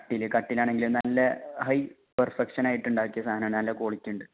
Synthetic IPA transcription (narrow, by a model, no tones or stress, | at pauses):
kɐʈːilɨkɐʈːilaːɳeŋɡilumnɐlːɐɦɐj | pɐrfekʂɐnaːjiʈːuɳɖaːkʲːijɐsaːd̪ɐnɐːɳnɐlːɐko̞ːɭikʲːuɳɖɨ